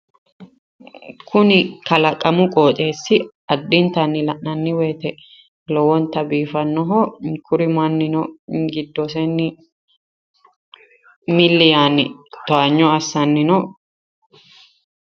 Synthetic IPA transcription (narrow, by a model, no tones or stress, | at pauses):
kʰʊnɪkɐlɐkʼːɐmʊkʼoːt͡ʃʼeːsːɪ | ɐd̪ːɪnt̪ɐnːɪlɐʔnɐnːɪweːt̪ɛ | lɔwɔnt̪ːɐbiːfɐnːɔɦɔkʰʊɾɪmɐnːɪnɔɡɪd̪ːɔsɛnːɪ | mɪlːɪjaːnɪ̰t̪ɔɐɲːɔɐsːɐnːɪnɔ